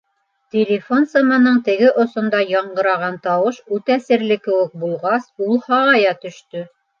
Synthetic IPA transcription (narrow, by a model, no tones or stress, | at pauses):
t̪ʲelʲɪfonsɤ̆mɑnɤɴt̪ɘ̆ɡɘʔŏsŏnd̪ɑjɑɴɢɤ̆ɾɑʁɑnt̪ɑwɤʃʉt̪æsɘ̆ɾlɘkɘ̆wɘk̚bulˠʁɑsulˠhɑʁɑjɑt̪ɵ̆ʃt̪ɵ